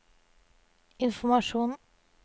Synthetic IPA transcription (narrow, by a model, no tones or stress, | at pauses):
ɪnfɔmɑʃuːn